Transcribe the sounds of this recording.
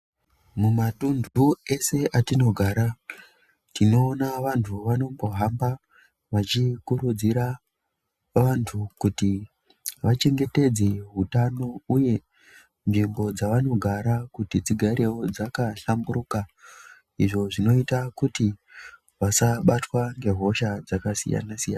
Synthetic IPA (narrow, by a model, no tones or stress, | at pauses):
mumatundue̞se̞ʔatino̞ɡʱaːɾa | tʰino̞ːnaʋantʰuʋano̞mbo̞ɦamba | ʋat͡ʃikuɾud͡ziɾa | ʋantʰukuti | ʋat͡ʃe̞ŋɡe̞te̞d͡ze̞ɦutano̞uje̞ | nʐimbo̞d͡zaʋano̞ɡʱaɾakutid͡ziɡʱaɾe̞wo̞d͡zakaɬambuɾuka | iʐo̞ʐino̞itakuti | ʋasaɓatwaŋɡe̞ɦo̞ʃad͡zakasḭja̰nasija̰na